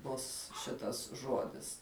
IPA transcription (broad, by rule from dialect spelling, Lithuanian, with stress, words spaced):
ˈbʊs ˈʃʲɪtɐs ˈʒoːdʲɪs